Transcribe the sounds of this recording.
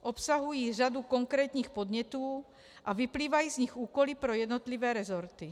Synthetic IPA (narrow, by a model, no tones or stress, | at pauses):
ʔɔpsaɦujiːʒad̪ukɔŋkɾɛːt̪ɲiːxpɔd̪ɲɛt̪ɔː | ʔaʋipliːʋajiːzɲiɣuːkɔlipɾɔjɛd̪nɔt̪liʋɛːɾɛzɔɾt̪i